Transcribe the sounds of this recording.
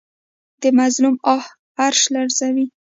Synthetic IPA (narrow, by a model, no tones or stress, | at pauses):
d̪̥əmazlumɑh | aɾʃlaɾzawi